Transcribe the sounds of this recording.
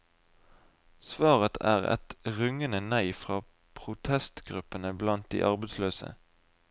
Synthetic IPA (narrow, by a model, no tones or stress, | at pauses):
sʋɑːʁət̪ʰæ̰ːʁɛ̰t̪ʁʏŋənənæɪfʁɑː | pʰʁʊt̪ʰɛst̪ɡ̥ʁʉpənəblɑnt̪̚d̪ḭːʔɑʁbəd̪sløːsə̰